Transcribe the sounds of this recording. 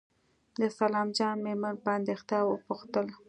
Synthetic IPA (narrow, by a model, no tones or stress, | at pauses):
d̪əsalɑmd͡ʒɑnmemanpəand̪ext̪ɑwəpʊxt̪əl